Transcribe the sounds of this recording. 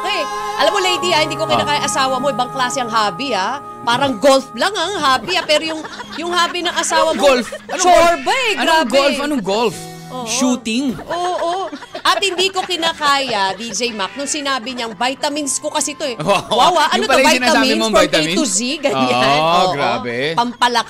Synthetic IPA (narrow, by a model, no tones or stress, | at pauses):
ʔojʔɐlamːolejd̪iahɪnd̪iːkokɪnakaːjaʔɐsaːwɐmo̞ʔɪbɐŋklaːsɛɐŋɦaːbia | paːɾɐŋɡo̞lflɐŋɐŋɦaːbiapɛːɾojʊŋjʊŋhaːbinɐŋʔɐsaːwɐɡolfɐoɹbɐɛɡɾabɡolɐnoŋɡolf | ʔoːʃuːt̪ɪŋʔoːʔoʔɐt̪hɪnd̪iːko̞kɪnaːkaːjad̪id͡ʒɛjmak̚nʊŋsɪnaːbɪɲɐŋbajt̪ɐmɪnsko̞kɐsit̪oɛawawaʔɐnobajnaɐsmːiɪmojt̪imt̪ʊsiɡɐɲanoɡɾa̰ːbɛpɐmpɐlɐk